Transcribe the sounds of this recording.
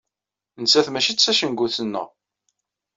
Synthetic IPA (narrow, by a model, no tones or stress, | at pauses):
nsæθmæʃit͡sːæʃənɡʷuθənːə̰ʁ